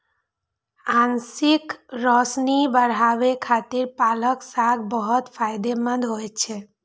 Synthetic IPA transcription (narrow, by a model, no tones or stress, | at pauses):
ansikɾɔsnibəɾɦabekʰat̪iɾpaləksaɡbɔɦɔt̪pʰajd̪emə̃nd̪ʱɦojt͡ʃʰe